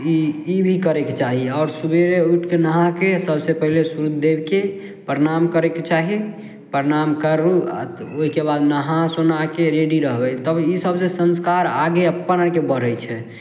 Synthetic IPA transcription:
iibʱikəɾeket͡ʃaɦiɔːɾsubeɾeuʈʰkenəɦakesəbsepəɦilesuɾud̪ebke | pɾəɾamkəɾeket͡ʃaɦi | pɾeɾamkəɾːua̰oɦikebad̪nəɦãsonakeɾeɖiɾəɦbɛt̪əbisəbsesə̃nskaɾaɡeəpːənakebəɾəjt͡ʃʰɛ

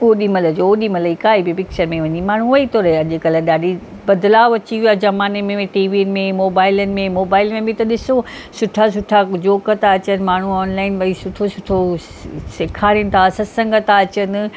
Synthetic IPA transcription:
oːɗimɐləd͡ʑooːɗimɐləikaːibipɪk̚t͡ɕəɾmẽʋɐɲimaːɳ̤uʋɐit̪oːɾeɐʄekɐlɛɗaːɖi | bɐd̪laːʋɐt͡ɕiʋiazɐmaːnemẽʈiːʋinmẽmoːbaːɪlənɪ̆mẽmoːbaːɪlmẽbʱɪ̃t̪ɐɗɪsosʊʈʰas̬ʊʈʰad͡ʑoːkət̪aɐt͡ɕənɪ̆maːɳ̤uɔːnlaːɪnʋɐisʊʈʰosʊʈʰo | sɪkʰaːɾijnɪ̆t̪ʰasɐsɐ̃ŋɡət̪aɐt͡ɕənɪ̆

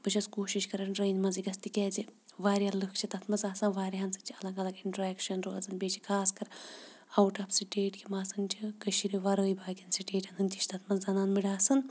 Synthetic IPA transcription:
b̥ɨt͡ʃʰɐskoːʃiʃkɐɾɐnɖɾeːnʲmɐnziɡɐst̪ikʲɛːziʋaːɾʲalɨkʰt͡ʃʰit̪ɐt̪ʰmɐzaːsɐnʋaːɾiɦɐnt͡sɨt͡ʃʰiɐlɐɡɐlɐɡiɳʈɾɛːkʃɐnɾoːzɐnbʲeːt͡ʃʰi̥kʰaːskɐɾ | ɐwʈɐpsiʈeːʈkʰʲimaːsɐnt͡ʃʰikɐʃiɾiʋɐɾəːjbaːɡʲɐnsiʈeːʈɐnɨnt̪iʃʰt̪ʰɐt̪ʰmɐzzɐnaːnmiɽaːsɐn

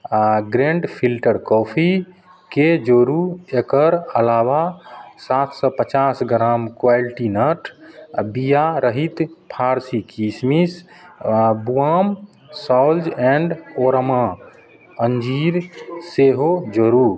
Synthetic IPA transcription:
ɡɾẽɳɖpʰilʈəɾkɔpʰi | ked͡ʒoɾuekəɾəlawasat̪ʰsɔpət͡ʃasɡɾamkwajlʈinəʈʰbijaɾəɦit̪pʰaɾsikismis | buam | saʊld͡ʒɛ̃ɳɖoɾma | ənd͡ʒiɾseɦod͡ʒoɾu

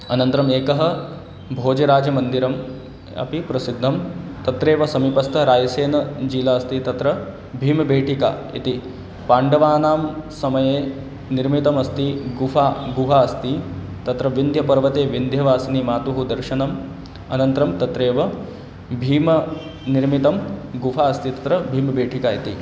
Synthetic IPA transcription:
ɐnɐnt̪ɐɾɐmeːkɐɦɐ̆ | bʱoːd͡ʒɐɾaːd͡ʒɐmɐnd̪iɾɐm | ɐ̰pipɾɐsid̪ʱːɐmt̪ɐt̪ɾeːʋɐsɐmipɐst̪ʰɐɾaːjɐseːnɐd͡ʒiːlaːɐst̪it̪ɐt̪ɾɐ | bʱiːmɐbʱeːʈika̰ːḭt̪i | paːɳɖɐʋaːnaːmsɐmɐjeː | niɾmit̪ɐmɐst̪iɡufaːɡuɦaːɐst̪i | t̪ɐt̪ɾɐʋind̪ʱjɐpɐɾʋɐt̪eːʋind̪ʱjɐʋaːsɐnimaːt̪uɦud̪ɐɾʃɐnɐm | ɐnɐnt̪ɾɐmt̪ɐt̪ɾeːʋɐ | bʱiːmɐ | niɾmit̪ɐmɡufaːɐst̪it̪ɐt̪ɾɐbʱiːmbeːʈʰikaːit̪i

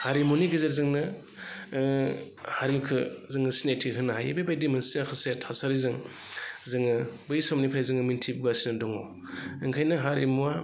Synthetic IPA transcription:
haɾimuniɡɯzeɾzɯŋnɯ | haɾiukʰɯzɯŋɯsinetʰiɦɯnaɦa̰jbajbajdimɯnsiakʰɯsetʰasaɾizɯŋ | zɯŋɯbɯjsɔmnipʰɾajzɯŋɯmintʰib̚ɡasinɯdɔŋɔ | ɯŋkʰajnɯɦaɾimua

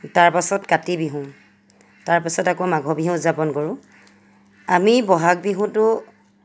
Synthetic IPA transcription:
taɹpasɔtkatibiɦũ | taɹpasɔtakomaɡʱɔbiɦũzapɔnkɔɹʊ̃ | amibɔɦak̚biɦũtʊ

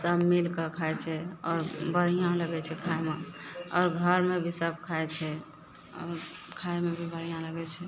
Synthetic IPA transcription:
səbmilkekʰaɛt͡ʃʰɛɔːɾbəɾ̤ijãləɡɛt͡ʃʰɛkʰaemeɔːɾɡʱəɾmebʱisəb̚ʱkʰaɛt͡ʃʰɛ | ɔ̰ːɾkʰajmebʱibəɾ̤ijãləɡɛt͡ʃʰɛ

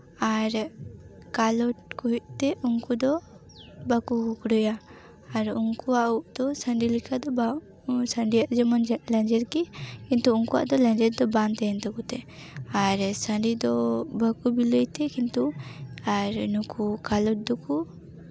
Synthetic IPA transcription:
aɾ | kalɔʈkuɦiʔ̚t̪ɛʔuŋkud̪ɔ | bakuɡukɽujaː | ɾuŋkuauʔd̪̥ɔsəɳɖilikʰad̪ɔba | səɳɖijaʔd͡ʒɛmand͡ʒlɛnd͡ʒɛɾkikint̪uuŋkuwa̰ʔd̪ɔlɛ̃nd͡ʒɛɾd̪ɔbant̪ɛjɛnt̪ɔkut̪ɛaɾsəɳɖid̪ɔbakubiləjt̪ɛkint̪uaɾnukukalɔʈ̚d̪ɔku

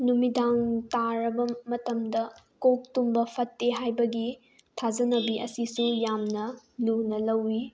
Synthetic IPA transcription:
numidaŋtaɾɐbɐmɐtɐmdɐ | kok̚tumbɐpʰɐtːeɦajbɐɡi | tʰazɐnɐbiʔɐ̰sisujamnɐ | lunɐlɐwːi

